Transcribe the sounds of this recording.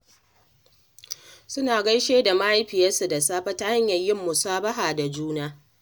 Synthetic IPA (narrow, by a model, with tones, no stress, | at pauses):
sʊ˦naː˨ɡɐ˦jʃeː˦da˨ma˦ʔa˦jɸɪ˨jɐ˦su˨da˨saː˦ɸɐ˦ta˦ha˦ɲjɐ˨jɪ˦mːʊ˨saː˦bɐ˦ɦaː˨da˨d͡ʒuː˦naː˦